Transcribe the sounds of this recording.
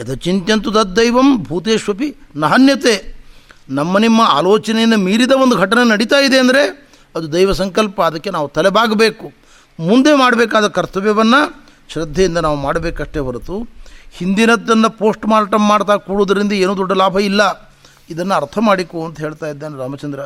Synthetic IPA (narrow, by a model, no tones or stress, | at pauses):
ɐd̪ɐt͡ʃint̪jɐnt̪ud̪ɐt̪̚d̪ɐjʋɐmbʱuːt̪eːʃʋɐpinɐɦɐnjɐt̪eː | nɐmːɐnimːɐa̰ːloːt͡ʃɐnejɐnːɐmiːɾid̪ɐʋond̪uɡʱɐʈɐnɐnɐɽit̪aːjid̪e̞ɐnd̪ɐɾe | ɐd̪ud̪ɐjʋɐsɐŋkɐlpɐːd̪ɐkːenaːʋut̪ɐlɛbaːɡɐbeːku | mund̪e̞maːɽɐbeːkaːd̪ɐkɐɾt̪ɐʋjɐʋɐnːɐ | ʃɾɐd̪ʱːɐjind̪ɐnaːʋumaːɽɐbeːkɐʂʈebɐɾut̪uhind̪inɐd̪ːɐnːɐpo̞ːsʈmaːɾʈɐmːaːɽt̪aːkuːɽoːd̪ɐɾind̪ɐeːnuːd̪ɔɖːɐlaːbʱɐilːɐ | id̪ɐnːɐɐɾt̪ʰɐmaːɽikuɐnt̪ɐɦeːɭt̪aːjid̪ːeːnɾaːmɐt͡ʃɐnd̪ɾɐ